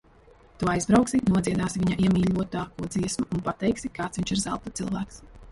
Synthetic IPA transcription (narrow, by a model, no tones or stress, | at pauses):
t̪uɔajzbɾawksinuɔd̪ziɛd̪aːsiviɲaʔiɛmʲiːʎʲuɔt̪aːkuɔd̪ziɛsmuunpat̪ɛjksikaːt̪viɲt͡ʃiɾza̰lˠt̪at̪sɨlˠvæːks